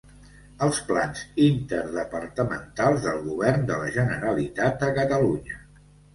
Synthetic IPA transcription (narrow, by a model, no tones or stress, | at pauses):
əlˠsplanzint̪əɾðəpəɾt̪əmə̰nt̪alˠzðəlˠɣuβɛrnd̪ələʒənəɾəlit̪at̪̚əkət̪əluɲə